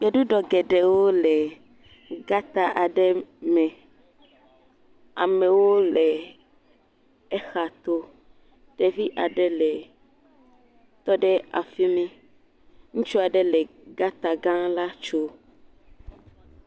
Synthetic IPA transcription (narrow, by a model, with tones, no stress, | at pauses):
ɡe˨ɖu˦ɖɔ˨ɡɛ˨ɖɛ˨wo˦lɛ˨ | ɡa˦t̪a˦ʔa˨ɖɛ˦mɛ̃˨ | a̰˨mɛ̃˨wo˦lɛ˨ | ɛ˦xa˨t̪o˦ | ɖ̥ɛ˦vi˦ʔa˨ɖɛ˦lɛ˨ | t̪ɔ˦ɖɛ˦a̰˨fi˦mĩ˦ | ŋũ˦t͡ʃu˦a˨ɖɛ˦lɛ˨ɡa˦t̪a˨ɡã˦la˦t͡ʃo˦